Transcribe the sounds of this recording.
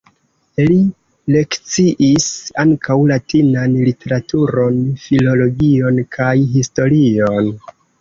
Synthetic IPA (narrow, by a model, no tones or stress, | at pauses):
li | le̞kt͡siʔisaŋkʰawlatinanlite̞ɾatuɾo̞nfilo̞lo̞ɡio̞nkʰajɦisto̞ɾion